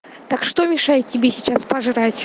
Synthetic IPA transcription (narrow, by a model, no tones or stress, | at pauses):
t̪akʂt̪omʲɪʂajɪt̪̚ːʲɪbʲesʲɪt͡ɕaspɐʐɨɾatʲ